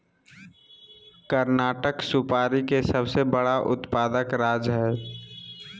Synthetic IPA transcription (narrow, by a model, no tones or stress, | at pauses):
kəɾnaːʈəksupaːɾikesəbsebəɽaʔʊ̰t̪paːd̪əkɾaːd͡ʒɦɛː